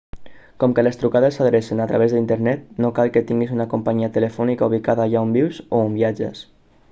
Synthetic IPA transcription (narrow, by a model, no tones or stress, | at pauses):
kɔmkələst̪ɾukaðəsːəðɾesinat̪ɾaβezðint̪əɾnɛt̪nokalˠkət̪iŋɡizunakumpaɲiat̪ələfɔnikauβ̞ikaðaːʎaumbiwzoumbiad͡ʒə̰s